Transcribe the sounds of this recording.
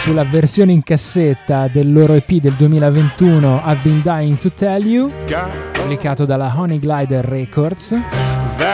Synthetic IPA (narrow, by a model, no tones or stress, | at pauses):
sulːaversjoːneiŋkasːet̪ːad̪elːoːɾoepid̪eld̪uemiːlavent̪uːnoabːind̪ajiŋt̪ut̪ɛljupublikaːt̪od̪alaɦɔniɡlajd̪ːɛkord̪s